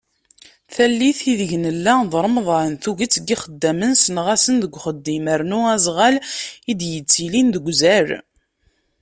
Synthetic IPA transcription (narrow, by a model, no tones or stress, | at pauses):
θælːiθiðəʝnəlːæðˤɾˤmðˤɑənθuʝət͡sːɡiχəd̪ːæmənsənʁasənðəɡʷχəd̪ːiməɾnuæzˤʁælid̪jət͡sːilinðəɡʷzæɾ